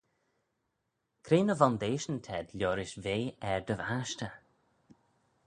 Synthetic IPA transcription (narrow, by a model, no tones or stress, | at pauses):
kʰɾeːnəvɔnd̪eːʃənt̪ʰɛd̪lʲjɔːɾɪʃveːɛɹd̪əvaʃtə